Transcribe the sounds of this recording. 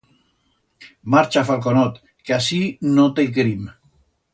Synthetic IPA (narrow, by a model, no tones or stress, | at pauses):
maɾt͡ʃafalˠk̬onot̪ | keasinot̪ek̬ɾim